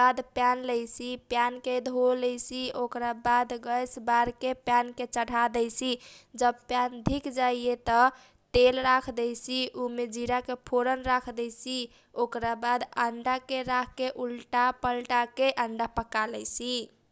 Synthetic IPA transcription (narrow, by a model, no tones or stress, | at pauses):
ad̪pjanləjsipjanked̪ʱoləjsiokɾabad̪ɡəjsbaɾkepjanket͡ʃəɽ̤ʱad̪əjsʰid͡ʒəbpjand̪ʱikd͡ʒaiet̪ə | t̪elɾakʰd̪ɛjsiʔumed͡ʒiɾakepʰoɾənɾakʰd̪ɛjsi | okɾabad̪əɳɖakeɾakʰkːeʔulʈapəlʈakeʔəɳɖapəkalɛjsʰi